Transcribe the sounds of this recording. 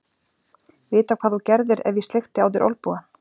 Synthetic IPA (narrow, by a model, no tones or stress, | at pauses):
vɪːt̪awkʰvaːðθucɛɾðɪɾɛ̰vjist̪lext̪ɪaːwðɪɾʔɔ̰lpuɣa